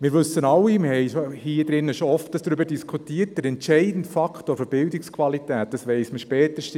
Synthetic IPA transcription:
mɪːɾʋɵsːənɑwːiməhɛɪʃohiːd̥ɾɪnːəʃoɔftəsd̥ɾʏbəɾdiskʰutiːət̚d̥əɾɛntʃɛɪdn̩tfɑkχtoːfəɾb̥ɪldɪkskʰʋɑlitæːt̚d̥ɑsʋɛɪsməʃpɛːtəʃ

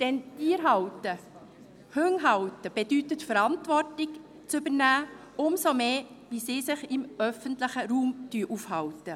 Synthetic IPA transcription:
d̪̥ɛntiːɾɦɑwtə | høŋɦɑwtəb̥ɛd̥yt̪ətfəɾɑntvɔrtɪk | t͡sʏbənæː | ʊmsomeː | visiːsɪχɪmœfəntlɪχəɾuːmtyːʔufhɑwtə

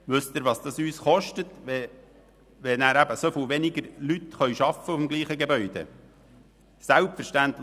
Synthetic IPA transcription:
ʋɵst̪ɪɾʋɑsd̥̪ɑsyːsχɔʃtət̪ɛ | ʋɛnæːɾæbəsofilʋenɪɡəɾlyt̪χœʏʃɑfːəʊfmɡliːχəɡebœʏd̥̪ḛ | sælpfəɾʃtænt̪l

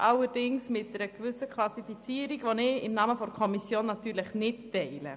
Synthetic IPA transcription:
ʔɑlːəɾd̥ɪŋsmɪt̚dəɾəkvʏsəkʰlɑsifit͡siːəɾiɡʋonɪɪmnɑːməfɔɾkʰɔmisjoːnːɑtyːɾləχnɪttɛɪlə̰

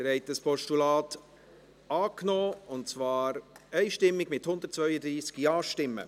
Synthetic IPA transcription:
əɾhɛɪtəspɔʃtulɑːt | ɑːknɔːʊntt͡svɑːɾɛɪʃtɪmːɪɡmɪthʊnd̪ət̚t͡svœʏəd̪ɾiːskjɑːʃtɪmːə̰

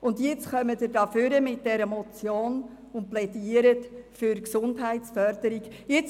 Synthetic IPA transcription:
ʊndjɪt͡sχœmədədɑfʏɾəmɪt̚d̥ɛɾəmɔt͡sjoːn | ʊnt̚plɛdiəɾətfyɾksʊndɦæɪtsfœɾd̥əɾik | jɪt͡s

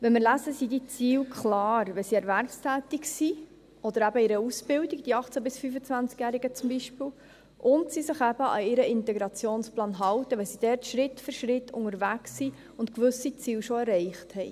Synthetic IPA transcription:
ʋɛnmɪɾlæzəsid̪it͡siːwkχlɑːɾʋɛlsiɛɾvæɾpstæːt̪iksi | ɔd̥̪əɾæbəɪɾəusb̥ɪldiɡ̥d̥iɑχt͡sæbɪsfyfət͡svænt͡skjæɾiɡət͡sʊmbiʃpɪːlw | ʔʊntsisɪχæb̥əɑ̰ɪɾəɪntɛɡɾɑt͡sjoːnsplɑːnɦɑlt̪əʋɛlsid̥ɛːɾtʃɾɪtfʏɾʃɾɪtʰːʊŋəɾvæksi | ʊntkʋʏsit͡siːlʃɔɛɾɛɪχthɛɪ

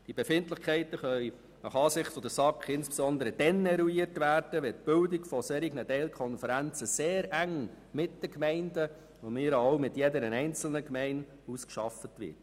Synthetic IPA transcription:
d̥ibefɪntlɪχkʰɛɪtəχœj | nɑχɑːsɪχtfɔd̪əsɑkχɪnsb̥esɔnd̪əɾəd̥ɛnːɛɾuiərtʋæːrd̥əʋɛt̚b̥ɪldiɡfɔsɛɾiɡnətɛlkʰɔnfəɾænt͡səseːɾæŋ | mɪt̚d̥əkmɛɪndə | omɪːɾɑoʊmɪtjɛdəɾənɛɪnt͡sl̩nəkmɛɪn | uskʃɑfətʋɪ̰t

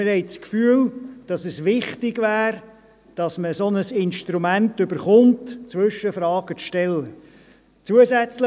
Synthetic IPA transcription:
ɪɾhɛɪt͡skfyːəld̥ɑsɛsʋɪχtɪɡvæːɾ | d̥ɑsməsonəsɪnʃtɾumæntʏbəɾχʊntt͡sʋʏʃːəfɾɑːɡ̥ət͡sʃtɛlːə | t͡suəzæt͡slə

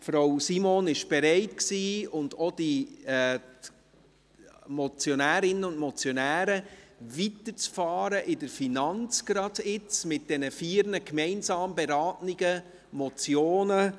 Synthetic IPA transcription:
fɾawsimonɪʃb̥eɾɛɪtksiːʊndod̥i | mɔt͡sjonæːɾɪnːəʊndmɔt͡sjonæːɾəvitəɾt͡sfɑːɾəʔɪdəɾfinɑnt͡sɡ̥ɾɑdɪt͡smɪt̚d̥ɛnəfiːɾnəkmɛɪnsɑːmbeɾɑːtnɪɡə | mɔt͡sjoːnə

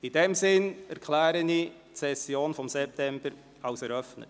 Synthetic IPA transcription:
id̥ɛmsɪnɛɾkʰlæːɾəni | tsɛsjoːnfɔmsɛp̚tɛmb̥əɾ | ɑʊsɛɾœfnə̰t

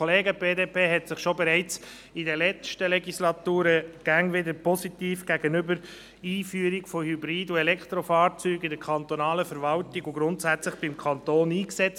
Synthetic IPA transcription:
oleːɡəbeːdeːpʰeːɦɛtsɪχʃobɛɾɛɪt͡s | idɛlɛt͡ʃtəlɛɡislɑt̪uːɾəɡ̥æŋʋɪdəɾpʰɔsitiːfɡ̥æɡənʏbəɾ | iːfyːəɾiɡfohybɾiːduɛlɛkt̪ɾofɑːɾt͡syːɡɪdəkʰɑnt̪onɑːləfəɾʋɑltiɡʊɡɾʊntsæt͡slɪχb̥ɪmkʰɑnt̪oːniːksɛt͡st

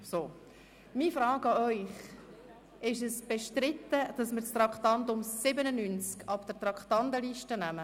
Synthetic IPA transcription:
soː | miːfɾɑːɡɑœʏχ | ɪʃɛsb̥ɛʃtɾɪt̪ːəd̥ɑsmɪɾst̪ɾɑkχt̪ɑnd̪ʊmsɪbənənynt͡skɑpd̥əɾt̪ɾɑktɑndəliʃtənæmə

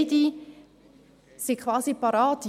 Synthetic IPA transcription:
di | sikʰʋaːzipaɾaːt

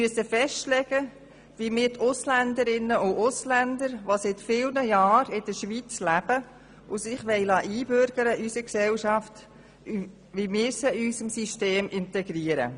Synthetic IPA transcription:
myəsəfɛʃtlɛɡ̥ə | ʋimɪːɾtʰʊslænd̪əɾɪnːəʊʊslænd̪əɾʋosɪtfiːlnəjɑːɾɪd̥əʃʋit͡slæb̥ə | ʊsɪχʋɛɪlɑːʔiːbʏɾɡ̥əɾəʔysəksɛlʃɑft | ʋimɪːɾsəysəmsiʃteːmʔɪntɛɡɾiːəɾə̰

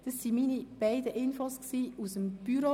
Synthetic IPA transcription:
d̥ɑsːiminib̥aɪdəʔɪnfosksiːusəmb̥yɾo

